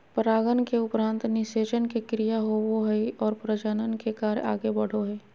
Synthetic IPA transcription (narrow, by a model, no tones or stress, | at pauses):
pəɾaːɡənkeʊpɾãːnt̪nɪʃeːt͡ʃənkekɾijaɦowoɦəiɔːɾpɾəd͡ʒənənkekaːɾ̰a̰ːɡebəɽ̤oɦɛː